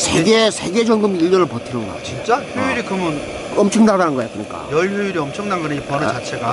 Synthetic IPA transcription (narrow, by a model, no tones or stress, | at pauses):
sʰeɡesʰeɡe̞d͡ʑʌŋɡɯmiʎːʌnɯɭpʌtʰinɯnɡʌ̰t͡ɕint͡ɕ͈açuiɾikɯmɯn | ʌmt͡ɕʰʌŋnadanɯnɡʌjok͈ɯɲik͈a̰jʌɭjuiɾiʌmt͡ɕʰʌŋnanɡʌɾɯipʌnɾɯt͡ɕat͡ɕʰeɡa